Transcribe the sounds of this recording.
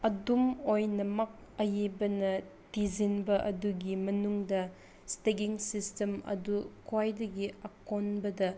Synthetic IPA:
ɐdumojnɐmɐk̚ | ɐjibɐnɐtizinbɐʔɐduɡimɐnuŋdɐ | steɡiŋsistemɐ̰dukwajdɐɡiɐkonbɐdɐ

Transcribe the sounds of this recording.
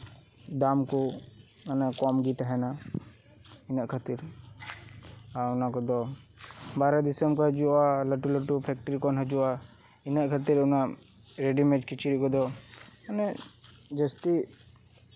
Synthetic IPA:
d̪amkɔ | anɛkɔmɡit̪aɦɛna | inaʔkʰat̪iɾ | aunakɔd̪ɔ | baɾad̪isəmkɔɦəd͡ʒuʔaləʈuləʈupʰɛk̚ʈəɾikɔnɦəd͡ʒuʔa | inaʔkʰat̪iɾuna | ɾeɖimɛd͡ʒkit͡ʃiɾikɔd̪ɔanɛ | d͡ʒəst̪i

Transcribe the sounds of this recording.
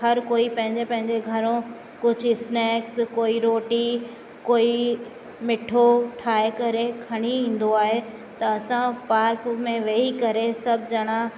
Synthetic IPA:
ɦɐɾkoːipɐ̃ɦɪ̃ɲd͡ʑepɐ̃ɦɪ̃ɲd͡ʑeɡʱɐɾõ | kʊd͡ʑʱʊɪsnɛːkskoːiɾoːʈi | koːi | mɪʈʰoʈʰaːekɐɾekʰɐɽ̃iĩːn̆d̪oaːɦe | t̪ɐɐsãpaːɾkmẽʋeːikɐɾesɐbʱɪd͡ʑɐɽ̃a

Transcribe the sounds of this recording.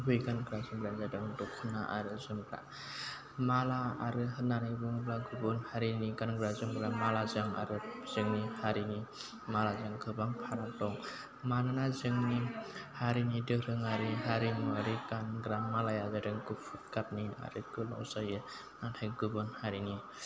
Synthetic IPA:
bɯjɡanɡɾazɯmbɾanzadɯŋdɔkʰɯnaʔa̰ɾɯzɯmɡɾa̰ | mala̰ːɾɯɦɯnanajbɯŋblaɡubɯnhaɾiniɡanɡɾazɯmɡɾamalazaŋa̰ɾɯz̥ɯŋnihaɾini | malazaŋkʰɯbaŋpʰaɾatɔŋ | manɯnazɯŋnihaɾinidɯɾɯŋaɾiɦaɾimaɾikanɡɾamalajazadɯŋkɯpʰut̚kap̚nia̰ɾɯkɯlɔ̰wzajɯ | atʰajɡɯbɯnhaɾini

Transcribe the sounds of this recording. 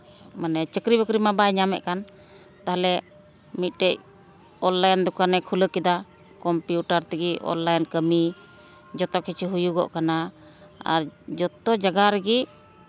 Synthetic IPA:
manɛt͡ʃəkɾibɔkɾimabajɲamɛ̰ʔkan | t̪aɦalɛ | mit̪̚ˀʈɛc | ɔlːajnd̪ukanɛkʰuləkid̪a | kɔmpjuʈaɾt̪ɛɡiʔɔ̰nlːajnkəmi | d͡ʒɔt̪ɔkʰit͡ʃʰiɦujuɡɔ̰ʔkana | a̰ɾd͡ʒɔt̪ɔd͡ʒaɡaɾəɡiʔ

